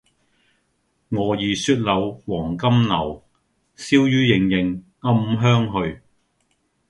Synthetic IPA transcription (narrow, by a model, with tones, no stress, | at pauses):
ŋɔː˨˧jiː˨˩syː˧t̚lɐ˨˧wwɔː˨˩ŋkɐ˥mnɐ˨˩w | siː˥wjyː˥jɪ˨˩ŋjɪ˨˩ŋ | ŋɐ˥mɦœː˥ŋɦɵ˧ɥ